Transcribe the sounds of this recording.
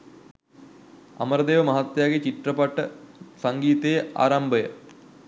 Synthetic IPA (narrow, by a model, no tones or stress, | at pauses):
a̰məɾəd̪eːʋəmɐɦat̪jaːɡet͡ɕiʈrəpaʈəsaŋɡiːt̪ejəʔa̰ːɾambəjə